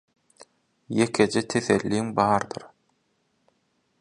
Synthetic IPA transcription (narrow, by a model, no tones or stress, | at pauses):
jekʰed͡ʒet̪ʰeθelːiːmbɑːɾd̪ɯɾ